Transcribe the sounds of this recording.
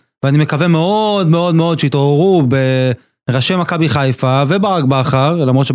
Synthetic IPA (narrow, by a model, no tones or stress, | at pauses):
veanime̞kave̞meod̪meo̞d̪me̞o̞d̪ʃeit̪o̞eʁube | ʁaʃemakabiχajfavebaʁaɡ̚baχaʁlamʁotʃe